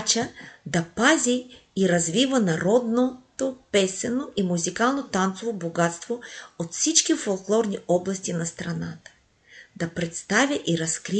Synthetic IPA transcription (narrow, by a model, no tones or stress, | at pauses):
t͡ʃəd̪ɐpaziːɾɐzvivənɐɾɔd̪not̪opɛsɛnoʔimuzikalˠnot̪ant̪sovoboɡat̪st̪voot̪fsit͡ʃkʲifolˠklˠɔɾniɔblˠɐst̪inɐst̪ɾɐnat̪ə̥ | d̪ɐpɾɛt̪st̪avʲjəʔiɾɐskɾi